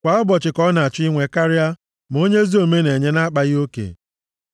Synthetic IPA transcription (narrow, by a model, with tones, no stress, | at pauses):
kʷa˨˦ɔ˦bɔ˨t͡ʃɪ˨kɔ˦na˨a˨t͡ʃi˦ŋʷe˨ka˦ɾɪ˦a˦ | m˨o˦ɲe˦zi˦o˨me˦ne˨ɲe˦na˦k͡pa˨ɣɪ˦o˦kḛ˨